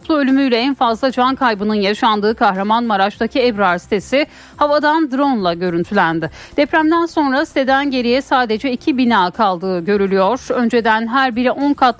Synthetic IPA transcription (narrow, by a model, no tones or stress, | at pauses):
plˠuø̞lʲymyjlʲɛɛnfazlˠad͡ʒankʰajbɯnɯnjaʃand̪ɯːkʰahɾamanmaɾat͡ʃt̪acʰiɛvɾaɾst̪ʰe̞sɪ | havad̪and̪ɾo̞nlˠaɟø̞ɾynt̪ʰylʲænd̪ɪ | d̪̥ɛpɾæmd̪ænso̞nɾast̪ʰe̞d̪ænɟe̞ɾijɛsaːd̪e̞d͡ʒɛicʰibinaːkʰalˠd̪ɯːɟø̞ɾylʲyjo̞ɾ̥ø̞nd͡ʒe̞d̪ænɦæɾbiɾiʔo̞nkʰat̪